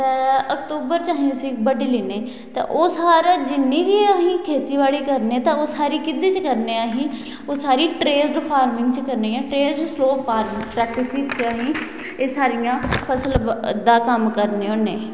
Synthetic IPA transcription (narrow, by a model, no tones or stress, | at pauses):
t̪ɛːəkt̪uːbəɾt͡ʃaːɦĩʊsiːkbəɖeliːneː | t̪ḛ̃ːʔoːsaːɾaːd͡ʒɪnːẽːkiaːɦĩːkʰeːt̪iːbaːɽiːkəɾneeːt̪ãoːsaːɾiːkɪd̪iːt͡ʃkəɾnẽːaːɦĩː | oːsaːɾiːʈɾeːsɖpʰaːɾmɪ̃ŋɡt͡ʃəkəɾneːãːʈɾeːsɖsloːpʰaːɾmpɾɛːk̚ʈɪsiːzt͡ʃaːɦĩː | eːsaːɾɪjãːpʰəsəlbd̪aːkəmkəɾneːoːnẽː